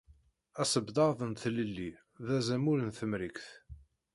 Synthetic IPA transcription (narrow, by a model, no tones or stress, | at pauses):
æsəbd̪ɑðˤənθləlːi | ðæzæmʊɾənθəmɾikθ